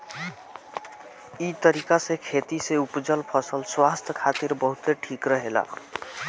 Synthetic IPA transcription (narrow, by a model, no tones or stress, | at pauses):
it̪ʌɾikasekʰet̪iseupd͡zʌlpʰʌsəlswast̪ʰʌkʰat̪iɾbʌɦut̪eʈʰikɾʌɦela̰